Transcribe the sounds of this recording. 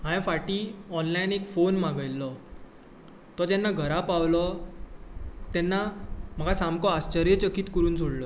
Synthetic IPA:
ɦãjãfaʈiːɔnlajnekfonmaɡəjlːɔ | t̪ɔd͡ʑɛnːaɡʱəɾapawlɔ | t̪ɛnːam̤əɡasamkɔast͡ɕəɾjət͡ɕəkiːt̪kəɾuːnsoɽlɔ

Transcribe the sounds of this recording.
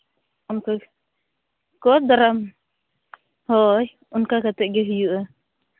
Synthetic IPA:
ɔnka | kɔt̪̚d̪aɾam | hɔj | unkakat̪ɛʔɡɛɦijuʔa

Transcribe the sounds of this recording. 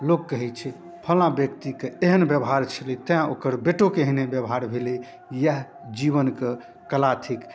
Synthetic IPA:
lokːəɦɛt͡ʃʰɛ | pʰəlãbjəkt̪ikeeɦənbjəbɦaɾt͡ʃʰəlit̪əjãokəɾbeʈokeɦnebjəbɦaɾbʱeli | jaɦ | d͡ʒiβənke | kəlat̪ʰik

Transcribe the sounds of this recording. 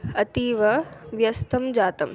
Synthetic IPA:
ɐt̪iːʋɐʋjɐst̪ʰɐmd͡ʒaːt̪ɐm

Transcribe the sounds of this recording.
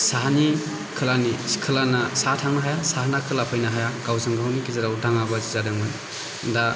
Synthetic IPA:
saɦani | kʰɯlanisi̥kʰɯlanasatʰaŋnaɦajasaɦanakʰɯlapʰɯjnaɦajaɡawzɯŋɡawnikizaɾawdaŋabazizadɯŋmɯn | da

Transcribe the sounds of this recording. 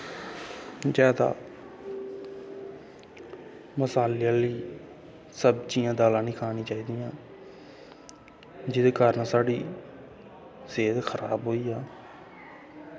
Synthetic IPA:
d͡ʒɛːd̪a̰ː | məsaːlɪjãːliː | səbt͡ʃiːjãːd̪aːlãːnĩːkʰaːnĩːt͡ʃaːiːd̪ijãː | d͡ʒɪd̪eːkəɾnsaːɖiː | seːd̪xʰəɾaːbɦoːiːaː

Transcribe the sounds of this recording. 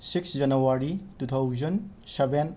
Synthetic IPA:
siksd͡ʒɐnuwaɾitut̪ʰawzɐnseben

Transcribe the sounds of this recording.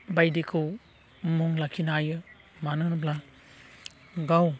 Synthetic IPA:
bajdikʰɯw | muŋlakʰinajɯ | manɯnɯpla | ɡaw

